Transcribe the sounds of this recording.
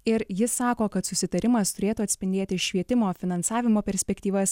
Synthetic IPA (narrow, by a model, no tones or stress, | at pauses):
ɪɾjɪssːɑːkoːkɐt̪sʊsʲɪt̪ɐɾʲɪmɐst̪ʊɾʲeːt̪uːɐt̪sʲpʲɪnʲd̪ʲeːt̪ʲɪʃʲʋʲiɛt̪ʲɪmoːfʲɪnɐnsɑːʋʲɪmoːpʲɛɾʲsʲpʲɛkt̪ʲiːʋɐs